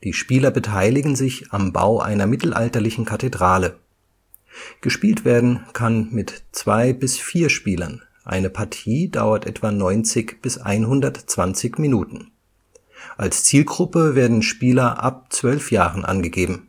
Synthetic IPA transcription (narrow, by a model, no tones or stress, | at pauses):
d̥iːʃpiːlɐbətʰaɪlɪɡŋ̩zɪçamba̰ʊʔa̰ɪnɐmɪtl̩ʔa̰ltɐlɪçn̩kʰatedʁaːlə | ɡ̥əʃpiːltv̥eːɐdn̩kʰanmɪtt͡sv̥aɪbɪsfiːɐʃpiːlɐ̰n | ʔa̰ɪnəpʰaɐtʰiːdaʊɐtʔɛ̰tv̥anɔʏnt͡sɪçb̥ɪsʔa̰ɪnɦʊndɐtt͡sv̥ant͡sɪçminuːtn̩ | ʔalst͡siːlɡʁʊpəveːɐdn̩ʃpiːlɐʔa̰p̚t͡sv̥œlfjaːʁən̩ʔa̰nɡəɡeːbm̩